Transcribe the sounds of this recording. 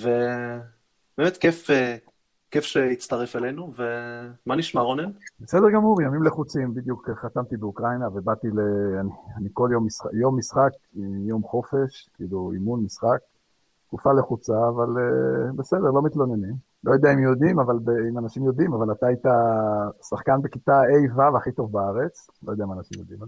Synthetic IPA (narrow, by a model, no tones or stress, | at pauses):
ve | bemet̪kefe | kefʃeit͡st̪aʁefelenuvemaniʃmaʁonenbese̞d̪eʁɡamuʁjamimle̞χut͡simbid̪jukχat̪amt̪ibeukʁajnavebat̪ileanianiko̞ljo̞mːisχjo̞mːisχakjo̞mχo̞fe̞ʃkiːluḭmunmisχak̚ | ɡufaleχut͡saːvalebe̞se̞d̪eʁlo̞mit̪lo̞nenim | lojod̪eaimjo̞d̪imavalbeimanaʃimjo̞d̪imavalat̪aajt̪asaχkanbekit̪aejvavaχit̪o̞vbaaʁe̞t͡s | lojodɛaimaːnaʃimjod̪ḭma